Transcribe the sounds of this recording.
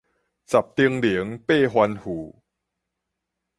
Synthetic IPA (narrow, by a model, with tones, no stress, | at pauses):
t͡sa˨˩p̚t̪i˧əŋli˨˦ŋpe˥˧˨ɦwa˧nhu˨˩˦